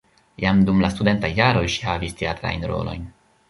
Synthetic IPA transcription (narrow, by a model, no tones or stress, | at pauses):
jamdumlastude̞ntajːaɾo̞jʃi̥havisteatɾa̰jnɾo̞̰lo̞̰jn